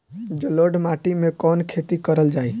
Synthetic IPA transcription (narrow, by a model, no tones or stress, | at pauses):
d͡ʒəloɖmaːʈimẽkɔːnkʰet̪ikəɾəld͡ʒaːi